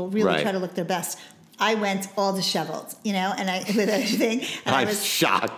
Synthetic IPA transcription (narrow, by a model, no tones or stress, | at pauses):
l̩ˠɹɪlɹitɹɹaɪɾəlʊk̚ðə˞bɛst | ʔaɪwɛ̃ntɔlˠðɨʃɛvl̩ˠz̥jɨnoʊɨ̃naɪwɨðɛɹiθɪ̃ŋaɪaɪwʌzʃɑ̰k̚